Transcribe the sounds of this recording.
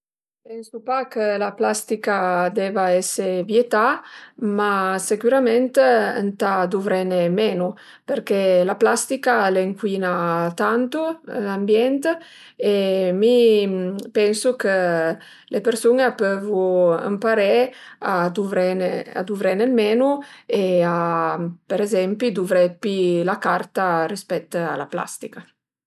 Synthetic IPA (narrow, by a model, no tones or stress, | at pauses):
pɛnsupakəlaplast̪ikad̪ɛvaɛsevjet̪amasekyɾamɛnt̪ə̰nt̪ad̪uvɾɛnemɛnu | peɾkelaplast̪ikaleŋkwinat̪ant̪uambjɛnt̪ | emi | pɛnsukə | lʔepeɾsuŋepøvua̰mpaɾɛad̪uvɾɛnea̰d̪uvɾɛnemɛːnueapeɾɛzɛmpid̪uvɾɛpilakart̪arispɛt̪ːa̰lapla̰st̪ika